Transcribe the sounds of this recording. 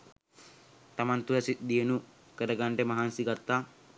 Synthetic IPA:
t̪ɐmant̪uɾɐsit̪̚d̪ijenu | kəɾɐɡaɳʈemɐɦansiɡat̪ːa

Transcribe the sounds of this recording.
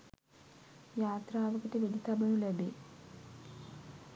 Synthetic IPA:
jaːt̪raːʋəkəʈəʋedit̪abənulæbeː

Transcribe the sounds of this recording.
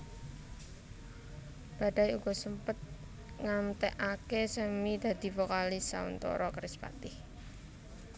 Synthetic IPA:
b̥a̤ɖajuɡ̥ɔsəmpət̪̚ | ŋamt̪ɛʔakesəmid̪a̤d̪̥i̤fokalisaṵnt̪ɔ̰ɾɔkəɾɪspa̰t̪ɪh

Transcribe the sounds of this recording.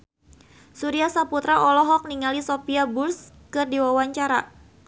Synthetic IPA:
suɾiasaput̪ɾaʔɔlɔɦɔk̚niŋalisopiabʊrs | kɨrdiwawaɲt͡ʃaɾa

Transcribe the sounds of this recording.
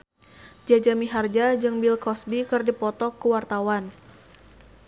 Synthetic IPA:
d͡ʒad͡ʒamiɦard͡ʒad͡ʒɨŋbilkɔsbikɨrdipɔt̪ɔkːəwart̪awan

